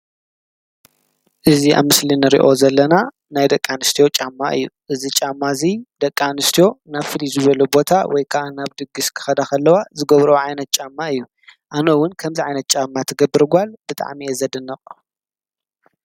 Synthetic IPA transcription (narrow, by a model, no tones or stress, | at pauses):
ʔɨzia̰βmɨslinɨɾḭʔo̞zɐlːɐna | najd̪ɐkʼːanɨst̪ʰijo̞t͡ʃʼamːaʔɨ̰jːuʔɨzit͡ʃʼamːazid̪̥ɐkʼːanɨst̪ʰijo̞naβfɨlizɨβɐlubo̞t̪ʰawɔjkʰaʔanaβd̪ɨɡːɨskʰɨ̥xɐd̪akɐlːɐwazɨɡɐβɾoʕajnɐt̪̚t͡ʃʼamːaɨjːu | ʔanowʊnkʰɐmziʕajnɐt̪̚t͡ʃʼamːat̪ʰɐɡɐbːɨɾɡʷalb̥ɨt̪ʼa̰ʕmiezɐd̪ɨnːɐχʼ